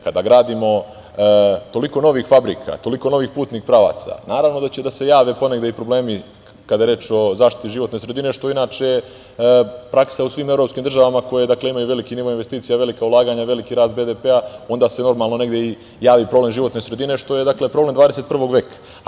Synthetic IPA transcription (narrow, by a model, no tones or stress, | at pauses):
kad̪aɡɾaːd̪imo̞ | t̪o̞liko̞no̞ʋixfabɾḭkʰa̰t̪o̞likono̞ʋiːxpuːt̪niːkpɾaʋa̰ːt̪sa̰naːɾaʋno̞d̪at͡ɕed̪ase̞jaːʋepo̞neɡd̪eipɾo̞ble̞ːmi | kad̪ajeɾe̞ːt͡ʃo̞zaːʃt̪i̥t̪iʒiʋo̞t̪ne̞ːsɾe̞d̪ine̞ʃt̪o̞inaːt͡ʃee | pɾaksausʋiːme̞vɾo̞pskiːmd̪rʒaʋamako̞jed̪akle̞imajuʋe̞likiniʋoinʋe̞st̪iːt̪sijaʋe̞likaulˠaːɡaːɲaʋe̞likiɾaːst̪̚be̞d̪epeao̞nd̪aːse̞no̞ɾmaːlˠnone̞ɡd̪je̞i | jaːʋipɾo̞ble̞mʒiʋo̞t̪nesɾed̪ine̞ʃt̪o̞jed̪akle̞pɾoble̞md̪aːd̪eset̪̚pr̩ʋo̞ɡʋeːkḁ